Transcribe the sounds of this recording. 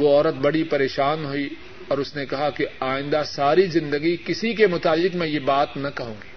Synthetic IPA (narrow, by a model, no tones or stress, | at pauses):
oɔːɾət̪̚bɐɽipɐɾeːʃaːnɦoi | ɔːɾʊsnekɐɦakeaːɪ̃nd̪asaːɾizɪ̃nd̪əɡikɪsikemʊt̪aːlːɪkmɛ̃jebaːt̪nɐkɐɦũːŋɡi̥ː